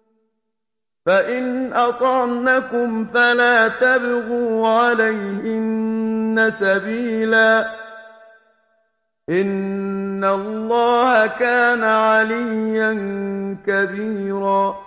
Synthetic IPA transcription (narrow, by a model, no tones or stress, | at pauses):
faʔɪnʔɑt̪ˤɑʕnakʊmfalaːt̪abɣuːʕalajhɪnːasabiːlaː | ʔɪnː | alˤːɑːhakaːnaʕaliːankabiːɾaː